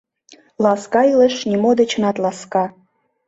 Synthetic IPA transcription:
lɑskɑilə̆ʃnʲimod̪et͡ɕənɑt̪lɑskɑ

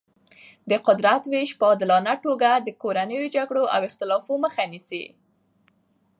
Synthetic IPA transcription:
d̪əqʊd̪ɾat̪weʃpəɑd̪ɪlɑnaʈoɡad̪əkoɾanəjod͡ʒaɡɽoʔa̰wɪxt̪ɪlɑfoməxanisḭ

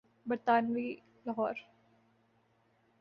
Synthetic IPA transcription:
bɾt̪aːnʋiː | ləɦɔːɾ

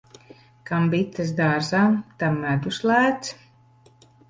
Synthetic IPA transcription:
kambit̪ːɨs̬d̪aːɾzaːmt̪amːæd̪uslˠæːt̪s

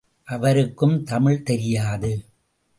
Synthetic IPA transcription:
ʔɐʋɐɾɯkːɯmt̪ɐmɪɻt̪ɛɾɪjaːðɯ

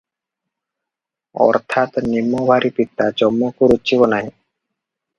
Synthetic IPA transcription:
ɔ̰ɾt̪ʰat̪nimːobʱaɾipit̪ːad͡ʑɔmːokuɾutːt͡ɕibonaɦi

